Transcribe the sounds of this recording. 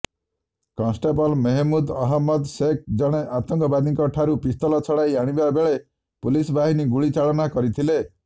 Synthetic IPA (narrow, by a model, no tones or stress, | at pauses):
kɔ̃nsʈebɔlmeɦemud̪ɔɦɔmːɔd̪sek̚d͡ʒɔɽ̃eʔat̪ɔŋkɔbad̪iŋkɔʈʰaɾupist̪ɔlɔt͡ʃʰɔɽajaɽ̃ibabeɭe | pulisbaɦiniɡuɭit͡ʃaɭɔnakɔɾit̪ʰile